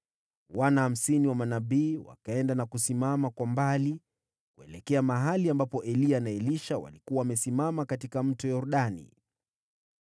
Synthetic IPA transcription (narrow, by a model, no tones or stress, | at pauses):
wanaham̩siniwamanaɓiːwa̰kaɛndanakusimamakwambali | kuɛlɛkɛamaɦaliambapɔʔɛlianaɛliʃawa̰likuwawamɛsimamakatikam̩tɔjɔɾuɗanḭ